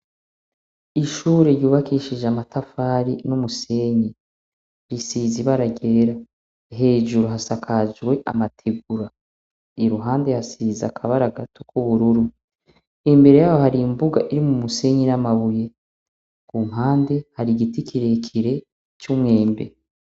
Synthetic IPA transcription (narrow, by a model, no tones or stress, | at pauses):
iʃuːɾeɾjuːβakiʃid͡ʒamatʰafaːɾinumuse̞ɲi | ɾisiziβaɾaɡe̞ːɾa | ɦe̞ːʒuɾuɦasakʰazwe̞ʔa̰matʰeɡuɾa | iɾuɦaːnde̞hasiza̰kʰaβaɾaɡatʰokuβuɾuɾu | imbe̞ɾe̞jaːjohaɾimbuɡa̰ʔiɾimumuse̞ɲinamaβuje̞ | kumhaːnde̞haɾiɡitikʰiɾe̞kʰiɾe̞ | t͡ʃumŋe̞ːmbe̞̰